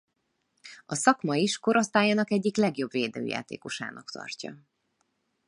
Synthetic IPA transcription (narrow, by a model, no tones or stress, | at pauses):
ɒsɒkmɒiʃko̞ɾo̞st̪aːjaːnɒkɛɟːiklɛɡjo̞bveːd̪ø̰ːja̰ːt̪ḛːko̞ʃa̰ːnɒkt̪ɒ̰rcɒ